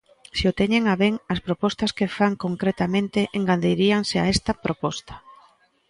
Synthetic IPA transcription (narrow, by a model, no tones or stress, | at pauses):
seot̪eɲeŋaβeŋɐspɾopɔst̪ɐskefaŋkoŋkɾet̪amẽnt̪eʔeŋɡand̪ejɾiaŋsɪa̰ɛst̪ɐpɾopɔst̪ɐ̥